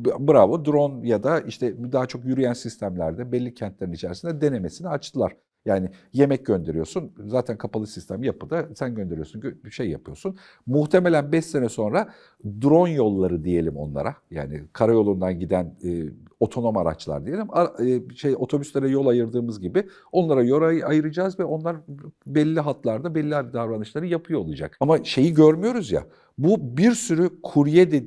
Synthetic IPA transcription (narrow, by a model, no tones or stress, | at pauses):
bɯɾavod̪ɾo̞njad̪aiʃt̪ʰɛd̪aɦat͡ʃʰo̞kjyɾyjænsist̪ʰæmlʲæɾd̪ɛbɛlʲːicʰɛnt̪ʰleinit͡ʃʰɛɾisind̪ɛd̪e̞ne̞me̞siniat͡ʃt̪ʰɯlˠaɾ̥ | jaːnɪje̞mɛc̚ɟø̞nd̪e̞ɾijo̞sunzaːt̪ʰænkʰapʰalˠɯsist̪ʰemjapʰɯd̪asænɟø̞nd̪e̞ɾijosunøʃe̞jːa̰pʰɯjo̞sun | muxt̪ʰe̞me̞lʲænbɛse̞nɛso̞nɾa | d̪ɾo̞njo̞lˠːaɾɯd̪ije̞lʲimo̞̰nlˠa̰ɾaja̰ːnɪ̰kʰaɾajo̞lˠund̪anɟid̪ænː | o̞t̪ʰo̞no̞maɾa̰t͡ʃlˠa̰ɾd̪ije̞lʲimaːʃejo̞t̪ʰo̞byslʲeɾɛjo̞lˠajɯɾd̪ɯːmɯzɟibɪ | o̞nlˠaɾajoɾaajɯɾɯd͡ʒaːzvɛo̞nlˠaɾbɛlʲːiɦat̪lˠaɾd̪abɛlʲːiad̪aɾɾanɯʃlˠaɾɯjapʰɯjoːlˠad͡ʒa̰kamaʃe̞jiɟøɾmyjo̞ɾuzja̰ | bubiɾsyɾykʰuɾjɛd̪e